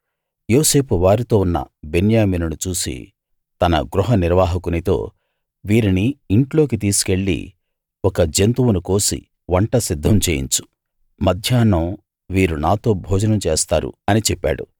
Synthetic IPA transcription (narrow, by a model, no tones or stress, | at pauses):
joːse̞ːpʰuʋaːɾit̪o̞ːunːɐ̰be̞njaːmiːnunut͡ʃuːsḭ | t̪ɐnɐ̰ɡɾuɦɐniɾʋaːɦɐkunit̪o̞̰ː | ʋiːɾiniːɳʈlo̞ːk̬it̪̬iːsu̥ke̞ɭːḭ | wɔkɐd͡ʒent̪uwunukoːsḭ | ʋɐɳʈɐsid̪ʱːɐmt͡ʃeːjḭɲt͡ʃu̥ | mɐd̪ʱjaːnːɐm | ʋiːɾunaːt̪o̞ːbʱɔːd͡ʒɐnɐmt͡ʃeːst̪a̰ːɾṵɐnit͡ʃɛpːa̰ːɽṵ